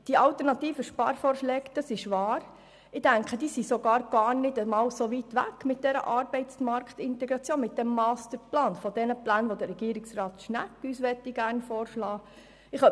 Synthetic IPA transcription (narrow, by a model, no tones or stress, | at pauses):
d̥iɑltəɾnɑt̪iːfəʃpɑ̰ːɾfɔːrʃlɛːɡd̥ɑsɪʃʋɑːɾ | ɪd̥æŋkχəd̥iːsisoɡɑːɾɡ̥ɑːɾnɪdəmɑːlsoʋitʋæ̰kːmɪt̚d̥̪ɛɾə̰ʔɑːɾbɛɪtsmɑɾkχt̪ɪntɛɡɾɑt͡sjoːnmɪt̪̚d̥ɛmːɑːst̪əɾplɑːnfɔd̥ɛnəplæːnʋodəɾɛɡ̥iːɾɪksrɑːt̪ʃnækːysʋɛtːiɡæɾnfɔːɾʃlɑː | ɪχœ